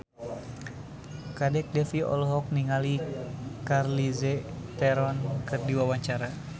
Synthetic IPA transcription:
kadɛk̚dɛfiɔ̰lɔɦɔk̚niŋalikarlizɛt̪ɛɾɔnkɨrdiwawaɲt͡ʃaɾa

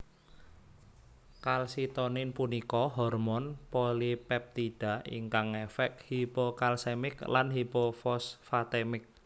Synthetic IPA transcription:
kalsit̪ɔnɪnpunikɔɦɔrmɔnpolipɛp̚t̪iɖ̥a̤ʔḭŋkaŋefɛkhipokalsemɪklanhipofɔsfat̪ɛmɪk̚

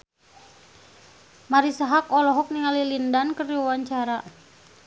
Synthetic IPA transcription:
maɾisaɦakɔlɔɦɔk̚niŋalilindankəriwuwaɲt͡ʃaɾa

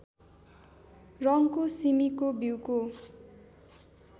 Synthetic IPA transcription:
rʌŋkosimikobiwko

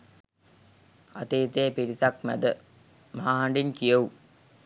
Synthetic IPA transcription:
a̰t̪eːt̪eːpiɾisakmæ̰d̪ə | maaɦaɳɖinkijɐu

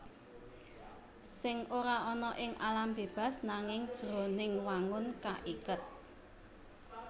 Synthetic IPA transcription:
sɪŋʔoɾaʔɔnɔʔɪŋʔalamb̥eb̥a̤snaŋɪŋd̥ʒ̥ɾo̤nɪŋwaŋʊnkaʔikət̪̚

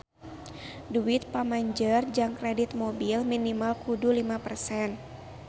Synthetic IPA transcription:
duit̪̚pamaɲd͡ʒərd͡ʒaŋkɾɛdit̪̚mobilminimalkudulimapərsɛn

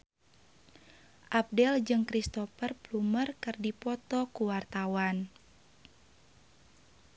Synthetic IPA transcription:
ʔap̚dɛld͡ʒɨŋkɾist̪ɔfərplumərkɨrdipɔt̪ɔkuwart̪awan

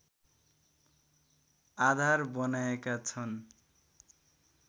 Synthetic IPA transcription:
ad̪ʱarbɔnajekat͡sʰʌn

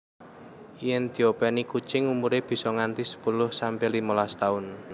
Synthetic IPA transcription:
iɛnd̪̥i̤opɛnikut͡ʃɪŋumuɾeb̥i̤sɔŋant̪isə̥pulʊhsampelimolast̪aʊn

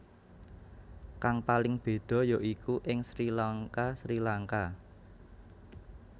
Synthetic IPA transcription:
kaŋpalɪŋb̥e̤ɖ̪̥ɔ̤joʔikuʔɪŋsɾilaŋkasɾilaŋka

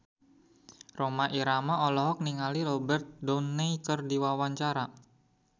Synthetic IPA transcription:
romaʔiɾamaɔlɔɦɔk̚niŋaliɾobərt̪̚dɔnːeikərdiwawaɲt͡ʃaɾa

